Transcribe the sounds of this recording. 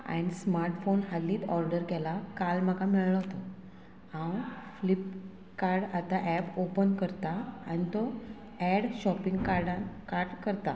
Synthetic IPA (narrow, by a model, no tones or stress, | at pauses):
a̰ɽ̃ismaɾʈfonɦalːiːt̪ɔɾɖəɾkɛlakalmakamɛɭɭəɦt̪ɔ | ãwflip | kaɾɽat̪aʔɛpopənkəɾt̪aa̰ɽit̪ɔ | ɛɽɕɔpiŋɡkaɾɖãnkaɾɖkəɾt̪a